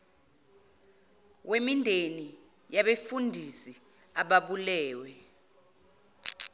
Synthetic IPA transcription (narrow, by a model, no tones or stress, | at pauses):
wemindʱeni | jaɓefundʱisi | aɓaɓulɛːwɛ